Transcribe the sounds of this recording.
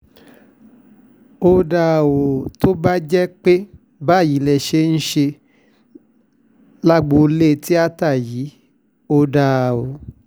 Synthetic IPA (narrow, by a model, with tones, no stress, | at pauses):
o˧da˧˨wo˨to˦ba˦d͡ʒɛ˦k͡pe˦ | ba˦˨ji˨˦lɛ˨ʃe˧˦n̩˦ʃe˧ | la˦ɡ͡bo˧le˦˧ti˦a˦ta˦˨ji˨˦ | o˧da˧˨wo˨